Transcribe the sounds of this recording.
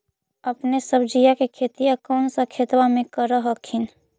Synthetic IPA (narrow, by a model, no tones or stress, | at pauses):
əpnesəbd͡ʒijakekʰeːt̪ijakɔːnsakʰeːt̪wamẽkəɾəɦəkʰɪn